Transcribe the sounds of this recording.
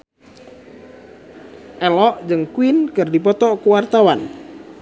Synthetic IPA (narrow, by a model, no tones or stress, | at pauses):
ʔɛlɔʔd͡ʒəŋkuinkɨrdipɔt̪ɔkuwart̪awan